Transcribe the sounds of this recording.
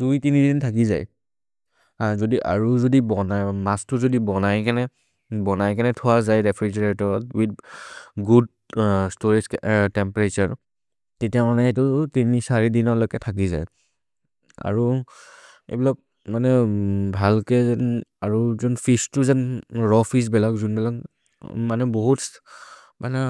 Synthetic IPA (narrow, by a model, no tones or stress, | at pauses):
dujtinidintʰakiza̰j | azodiʔa̰ɹuzodibɔnajmastʊzodibɔnajkanɛ | bɔnajkanɛtʰʊwazajɹɛpʰɹid͡ʒɛɹtɔɔtwidɡud̚ | stoɹizktɛmpaɹet͡ʃaɹ | tetiamanɛetʊtinisaɹidinɔlɔjkɛtʰak̬izaj | a̰ɹu | ḛbilɔk̚ | manɛbʱalkɛnaɹuzɔnfʰistʊzanɹɔfʰis̬bɛlakzunbɛlak | manɛboɦut | manɛ